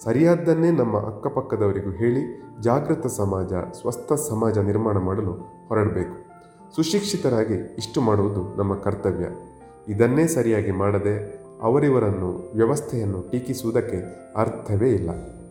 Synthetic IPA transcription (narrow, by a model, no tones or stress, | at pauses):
sɐɾijaːd̪ːɐnːe̞ːnɐmːɐ̰ʔɐ̰kːɐpɐkːɐd̪ɐʋɐɾiɡuɦe̞ːɭid͡ʒaːɡɾut̪ɐsɐmaːd͡ʒɐ̰sʋɐst̪ʰɐsɐmaːd͡ʒɐniɾmaːɳɐmaːɽɐlu | hɔɾɐɽɐbe̞ːku̥ | suʃikʂit̪ɐɾaːɡiːʂʈumaːɽuʋud̪unʔɐmːɐkɐɾt̪ɐʋjɐ̰ | id̪ɐnːe̞ːsɐɾijaːɡimaːɽɐd̪e̞ | ɐ̰ʋɐɾiʋɐɾɐnːuʋjɐʋɐst̪ʰɛjɐnːuʈiːkisuʋud̪ɐkːe̞ | ɐɾt̪ʰɐʋe̞ːilːɐ̰